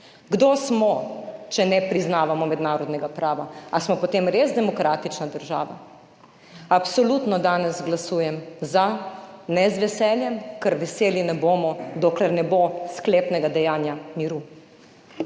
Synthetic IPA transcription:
ɡd̪oːsmɔt͡ʃɛnɛpɾiznaːʋamɔmɛd̪naːɾɔd̪nɛɡapɾʔaːʋaasmɔpot̪eːmɾezd̪ɛmɔkɾaːt̪it͡ʃnad̪əɾʒa̰ːʋa̰ | apsɔlut̪nɔd̪aːnɛzɡlasuːjɛmzanɛzʋɛsɛljɛmkəɾʋɛseːlinɛboːmɔd̪oːklɛɾnɛboskleːpnɛɡad̪ɛjaːnjamiɾu

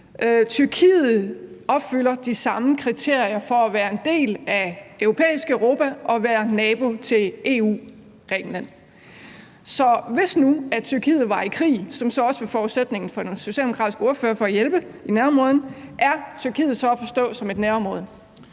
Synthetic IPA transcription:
ʔøt͡sʰyɐkʰḭːð̩ˠɒ̽b̥fyl̰ɐd̥isɑ̈məkʰʁit͡sʰe̝ɐ̰iɐfɒ̽æʋæːɐe̝nd̥e̝̰ːlæøʊʁo̝pʰḛːisɡ̥əœʊʁo̝ːpʰæʔɒ̽ʋæːɐnɛːb̥o̝t͡sʰe̝le̝ːṵː | ɡ̥ʁɛ̰ːɡ̥n̩læn̰ | sɒ̽ʋe̝snuæt͡sʰyɐkʰḭːð̩ˠʋɑ̈ikʰʁḭːsɒ̽msɒ̽ɒ̽səʋefɒːused̥ne̝ŋn̩fɒ̽d̥enso̝ɕɛ̰ldeokʰʁɑ̈ːdisɡ̥əo̝ɐfø̰ːɐfɒ̽æjelb̥əinæɐmʁɔðˠn̩ʔæɐt͡sʰyɐkʰḭːð̩ˠsɒ̽æfɒ̽sd̥ɔ̰̽ːsɒ̽me̝d̥næɐɒmʁɔ̽ːðˠ

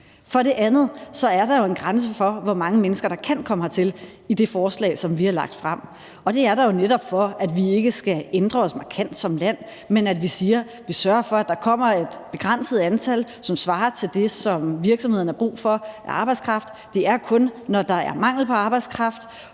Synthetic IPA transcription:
fɒ̽ɾe̝ʔænð̞̩ˠsɒ̽æɐɾ̥ɑ̈jo̝e̝nɡ̥ʁans̬əfɒ̽ʋɒmɑ̈ŋəmenəsɡ̥ɐɾ̥ɑ̈kʰæn̰kʰɒ̽məɑt͡sʰe̝lid̥e̝fɒːslɛ̰ːɪsɒ̽mʋihɑ̈lɑ̈ɡ̥̚d̥fʁɑm̰ | ɒ̽d̥e̝æɐɾɑ̈jo̝neɾɒ̽b̥fɒ̽æd̥ʋie̝ɡ̥əsɡ̥æend̥ʁɐɒ̽smɑ̈kʰæn̰d̥sɒ̽mlæn̰ | menæd̥ʋisiːɐ | ʋisɶɐɐfɒ̽æd̥ɑ̈kʰɒ̽m̰ɐe̝d̥b̥e̝ɡ̥ʁan̰səð̞̩ˠænt͡sʰæl | sɒ̽msʋɑ̈ːt͡sʰe̝ld̥e̝sɒ̽mʋiɐɡ̥sɒmheð̰ˠn̩ɐb̥ʁṵːfɒ̽æʔɑ̈ːb̥äɪdskʰʁɑ̈fd̥ːe̝æɐkʰɔ̽nːɒd̥ɑ̈æɐmɑ̈ŋ̰l̩pʰɒ̽ɑ̈ːb̥ɑaɪdskʰʁɑ̈fd̥

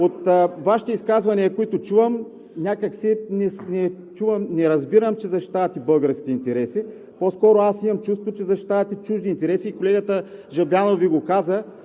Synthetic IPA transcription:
ot̪ːvaʃi̥t̪ɛiskazvɐniɐkoit̪ot͡ʃuvɐm | nʲakəksinɛnɛ | t͡ʃuvɐmnɛɾɐzbiɾəmt͡ʃɛzɐʃi̥t̪avɐt̪ibɤlˠɡəɾskʲit̪ɛint̪ɛɾɛsi | poskɔɾoasimɐmt͡ʃust̪vot͡ʃɛzɐʃi̥t̪avɐt̪it͡ʃuʒd̪iːnt̪ɛɾɛsiːkolɛɡət̪əʒɐbjanoviɡokazə

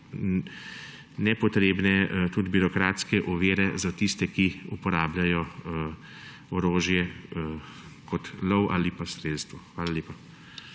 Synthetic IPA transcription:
nɛpɔt̪ɾeːbnɛt̪ud̪biɾɔkɾaːt̪skɛʔɔʋeːɾɛzat̪ist̪ɛkiupɔɾaːblʲajɔ | ɔɾoːʒjɛ | kɔt̪lɔwʔa̰ːlipasɾeːt̪st̪ʋɔxʋaːlalʲeːpa

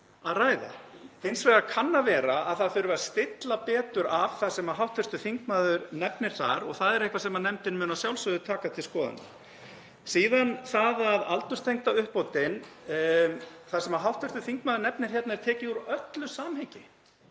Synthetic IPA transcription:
aðraːjða̰θɪnsvɛðakʰanːavɛːɾaaðθaðfʏɾvɛɾst̪ɪt̪lapɛːt̪ʏɾav̥θasɛmaɦawht̪ʰːʏrst̪ʏθiŋkmaːðʏɾnɛpnɪɾ̥θa̰ɾɔɣθaðɛɾehkvasɛmanɛmt̪ɪnmʏːnasjawlsʏðʏt̪ʰaːkat̪ʰɪlskɔːða̰nʏ̰ | siːðanθaðaðalt̪ʏst̪ʰejŋt̪aʏhpoːwt̪ɪn | θasɛmaɦawht̪ʰœst̪ʏθiŋkmaːðʏɾnɛpnɪɾ̥çɛt̪naɛɾt̪ʰɛːcɪuɾœt̪lʏsaːmhejcɪ

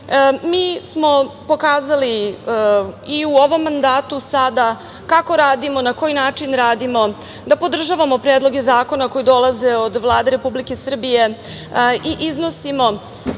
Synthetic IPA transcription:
miːsmo̞po̞kaːzali | iuoʋo̞mːand̪aːt̪usad̪a | kako̞ɾaːd̪imo̞nako̞jinaːt͡ʂinɾaːd̪imo̞ | d̪apo̞d̪r̩ʒaʋamo̞pɾeːd̪lˠo̞ɡe̞zaːko̞nako̞jid̪o̞lˠaze̞od̪ʋlˠaːd̪e̞ɾe̞publike̞sr̩bije̞ | iʔiznosimo̞

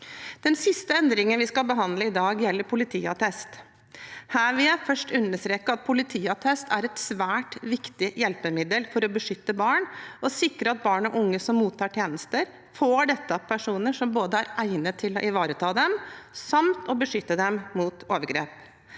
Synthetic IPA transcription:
d̪̥ɛnsɪst̪əɛnd̪ɾɪŋənʋɪskɑlbəɦɑnd̪ləɪd̪ɑːɡjɛlːəɾpʰʊlɪt̪ʰḭːɑt̪ʰɛst̪ | hæːɾʋɪlæɪfœʂʈʉnːəʂt̪ɾeːkːəɑt̪̚pʰʊlɪt̪ʰiːɑt̪ʰɛst̪ʰæɾɛt̪sʋæːʈʋɪkt̪ɪjɛlpəmɪd̪əlfɔɾɔbəʂʏt̪ːəbɑːɳɔsɪkɾəɑt̪̚bɑːɳɔʔʊŋːəsɔmːuːt̪ʰːɑːʈʰjeːnəst̪əɾ | foːɖɛt̪ːəpʰæʂuːnəʂɔmboːd̪əæɾʔæɪnət̪ʰɪlɔʔɪʋɑːɾət̪ʰɑːd̪ɛmsɑmt̪ɔbəʂʏt̪ːəd̪ɛmmuːt̪oːʋəɾɡɾḛːp

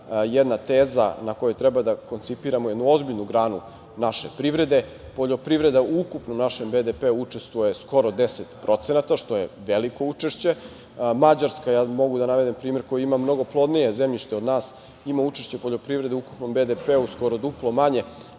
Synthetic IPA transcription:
jɛd̪nat̪eːza̰nako̞jut̪ɾɛbad̪ako̞nt̪sipiɾamojed̪nuo̞zbiʎnuɡɾaːnu | naʃe̞pɾiʋɾe̞d̪e̞ | po̞ʎo̞pɾiʋɾe̞d̪auukupnomnaʃembed̪epeuut͡ʂest̪ʋojesko̞ɾo̞d̪eset̪pɾo̞t̪se̞nat̪aʃt̪o̞je̞ʋeliko̞ut͡ʂeʃt͡ɕe̞ | mad͡ʑaɾskajaːmo̞ɡud̪anaʋe̞d̪impɾiːme̞ɾko̞jiimamno̞ɡo̞plˠo̞d̪nije̞zemʎiʃt̪eo̞d̪naːs | imaut͡ʃeʃt͡ɕe̞po̞ʎopɾivɾe̞d̪euku̥pno̞mbed̪epeusko̞ɾod̪uplˠomaɲe̞

